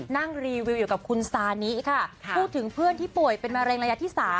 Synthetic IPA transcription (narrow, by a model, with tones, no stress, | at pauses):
na˥˩ŋɾiː˧wi˧wjuː˨˩ka˨˩p̚kʰu˧nsaː˧ni˦˥kʰa˥˩pʰuː˥˩t̪ʰːɯ˩˦ŋpʰɯ˥˩ənt̪ʰiː˥˩pu˨˩əjpe˧nmaː˧ɾɛː˧ŋɾa˧ja˦˥t̪ʰiː˥˩saː˩˦